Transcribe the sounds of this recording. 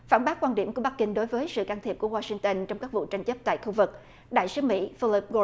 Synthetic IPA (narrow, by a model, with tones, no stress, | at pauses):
fa̰ː˧˩nɓaː˦˥t̚kwaː˧nɗi˧˩ku˧˩əɓa˦˥k̚kï˧ŋ̟ɗo˨˦jvəː˨˦jsɨ̰˧˨kaː˧nt̪ʰi˨˩əp̚ku˧˩waː˧si˧ŋt̪ə˧nt͡ɕɔ˧wŋ͡mkaː˦˥k̚vṵ˧˨t͡ɕa˧jŋ̟t͡ɕə˦˥p̚t̪a̰ː˧˨jxu˧vɨ˨˩k̚ | ɗa̰ː˧˨jsɨ˨˦mḭ˧˥fi˧li˦˥p̚ɣo˧